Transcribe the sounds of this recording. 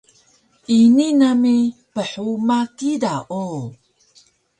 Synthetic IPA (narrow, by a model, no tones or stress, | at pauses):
ʔininamipəħumakidaʔo